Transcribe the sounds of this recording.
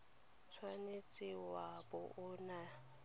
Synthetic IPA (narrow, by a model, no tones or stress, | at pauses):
t͡sʰwanet͡sʼɪwabʊʔʊna